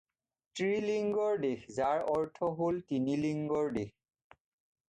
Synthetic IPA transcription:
tɹiliŋɡɔɹdexzaɹɔɹtʰɔɦoltiniliŋɡɔɹdex

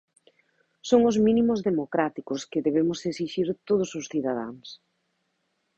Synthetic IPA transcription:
soŋʊzmĩnimʊzðemokɾat̪ikʊskɪðeβemʊseksiʃiɾt̪oð̞ʊsʊsθiðaða̰ŋs

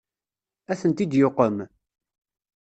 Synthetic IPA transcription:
æθənt̪id̪joqːəm

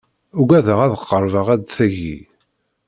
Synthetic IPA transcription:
ʊɡæðəʁæðəqːəɾˤvəʁæd̪θæʝḭ

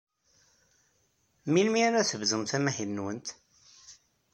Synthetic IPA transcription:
milmiæɾæθəvzəmθæmæhilːwənt̪

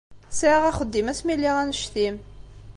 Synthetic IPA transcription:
sʁæχəd̪ːimæsmilːiʁænəʃθim

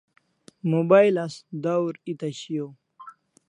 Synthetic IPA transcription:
mubajlasd̪awɾit̪ɐɕijo

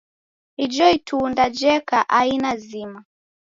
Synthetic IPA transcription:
id͡ʒɔitʰundad͡ʒɛkaʔainazima

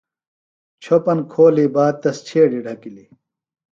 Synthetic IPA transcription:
t͡ɕʰopɐnkʰoːliːbaːd̪̚t̪ɐst͡ɕʰeːɖiɖʱɐkili

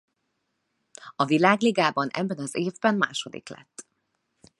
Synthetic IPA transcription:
ɒvilaːɡliɡaːbɒnʔɛ̰bːɛnɒzeːvbɛmma̰ːʃo̞d̪ḭklɛ̰t̪ː

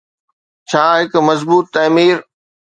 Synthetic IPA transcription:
t͡ɕʰaːɦɪkʊmɐzbuːt̪ːɐːmiːɾ

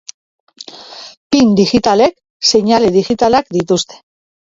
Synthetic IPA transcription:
pind̪iɣit̪ale̞k | se̞ɲaleðiɣit̪alakd̪it̪ust̪e̥

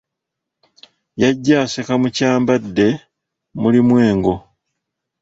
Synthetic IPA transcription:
jaɟːaːsekamucaːmbadːe̞ | mulimwe̞ːŋɡo̞

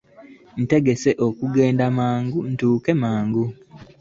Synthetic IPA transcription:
n̩te̞ɡe̞se̞ʔo̞kuɡe̞ːndamaːŋɡun̩tuːke̞maːŋɡu

